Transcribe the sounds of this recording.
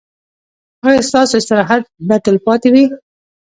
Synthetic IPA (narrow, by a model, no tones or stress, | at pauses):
ɑjest̪ɑsoɪst̪ɪɾɑɦat̪̚bat̪ɪlpɑt̪ewi